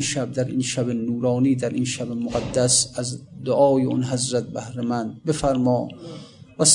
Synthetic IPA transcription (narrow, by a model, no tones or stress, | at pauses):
nʃæb̚d̪æɾʔinʃæbenuːɾɒːniːd̪æɾʔinʃæbemoɡæd̪ːæsæzd̪oʔɒːjeonɦæzɾæt̪̚bæhɾemænd̪̚be̞fæɾmɒː | væs